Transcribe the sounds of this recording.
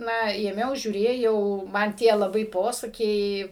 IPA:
ˈnɐ eːˈmʲɛʊ ʒʲuːˈrʲeːjɛʊ mɐn ˈtʲiɛ lˠɐˈbɐɪ ˈpoːsɐkʲɛɪ

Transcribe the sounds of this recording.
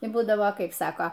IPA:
ɪ ˈbuːdɐʋoː ˈkɐɪp ˈsɑːkoː

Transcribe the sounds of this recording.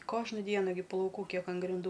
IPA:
ˈkoːʒnɐ ˈdʲiɛnɐ ɡʲɪ plˠɐʊˈkuː ˈkʲiɛk ɐn ɡrʲɪnˈduː

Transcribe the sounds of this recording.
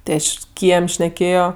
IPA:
tʲeː ˈɐʃ ˈkʲiɛmʲ ʃʲnʲɛˈkʲeːjoː

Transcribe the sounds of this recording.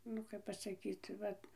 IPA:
ˈnʊ kɐp pɐsɐˈkʲiːt ˈʋɐt

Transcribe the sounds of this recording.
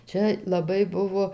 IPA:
ˈt͡ʃʲɛ lˠɐˈbɐɪ ˈbʊʋoː

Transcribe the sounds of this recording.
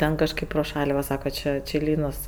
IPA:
ˈtʲɛn kɐʃˈkɐɪp proː ˈʃɐlʲ ˈʋɐ ˈsɑːkɐ ˈt͡ʃʲɪ t͡ʃʲɪ ˈlʲiːnoːs

